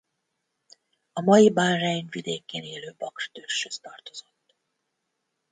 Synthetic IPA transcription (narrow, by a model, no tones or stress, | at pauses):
ɒmɒjibaːrraɲvid̪eːkeːneːløːbɒkrt̪ørʃhøst̪ɒrt̪o̞z̥o̞t̪ː